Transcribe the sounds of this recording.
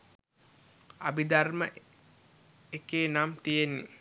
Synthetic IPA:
abid̪armə̰ʔ | ekeːnamt̪ijenːi

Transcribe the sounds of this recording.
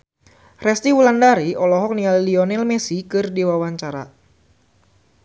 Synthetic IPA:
rɛst̪iwulandaɾiɔlɔɦɔk̚nialiliɔnɛlmɛsikɨrdiwawaɲt͡ʃaɾa̰

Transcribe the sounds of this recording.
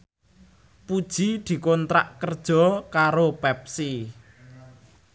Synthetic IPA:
pud̥ʒ̥id̪̥i̤kɔnt̪ɾa̰ʔkərd̥ʒ̥ɔ̤kaɾopɛp̚si

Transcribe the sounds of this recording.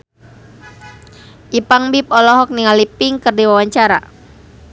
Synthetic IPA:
ʔipaŋbip̚ɔlɔɦɔk̚niŋalipɪŋkɨrdiwawaɲt͡ʃaɾa̰

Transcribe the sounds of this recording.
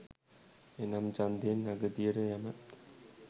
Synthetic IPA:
enamd͡ʒand̪enːaɡəd̪ijəɾəjæmat̪

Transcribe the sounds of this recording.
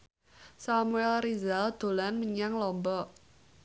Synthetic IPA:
samuɛlrizald̪̥o̤lanməɲaŋlɔmbɔ

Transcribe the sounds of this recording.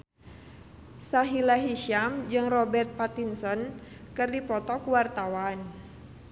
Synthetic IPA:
saɦilaɦiʃamd͡ʒɨŋrɔbɛrt̪̚pat̪insɔnkɨrdipɔt̪ɔkuwart̪awan

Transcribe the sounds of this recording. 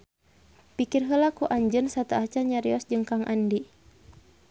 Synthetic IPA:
pikirɦəlakuʔaɲd͡ʒənsat̪aʔat͡ʃaɲaɾiɔsd͡ʒɨŋkaŋʔa̰ndi

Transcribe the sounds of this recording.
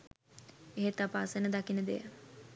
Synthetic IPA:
eɦet̪apasənəd̪akinəd̪ḛjə

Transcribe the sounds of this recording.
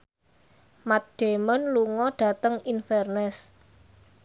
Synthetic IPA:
mat̪̚ɖ̥e̤mənluŋɔɖ̥ä̤t̪əŋinfɛrnɛs

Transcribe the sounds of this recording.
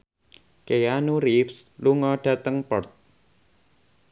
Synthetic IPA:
kejanuɾifsluŋɔɖat̪əŋpəɽt̪̚

